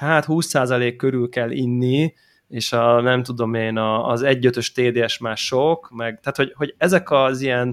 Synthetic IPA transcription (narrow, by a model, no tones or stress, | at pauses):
haːt̪huːsːaːzɒleːkːø̞ɾylkɛlːḭnːi | eːʃɒnɛmt̪ud̪o̞meːnɒːzɛɟːøt̪ø̞ʃt̪eːd̪eːɛʃmaːrʃokmɛɡt̪aːt̪ho̞ɟho̞ɟɛzɛkɒzijɛn